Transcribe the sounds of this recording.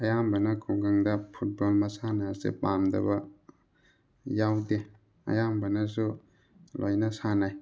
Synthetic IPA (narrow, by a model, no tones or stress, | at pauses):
ɐjambanakʰuɡaŋdapʰut̚bɔlmɐsanaasḛpamdɐ̰bɐ | jawde | ɐ̰jambanas̬u | lʔojnasanaj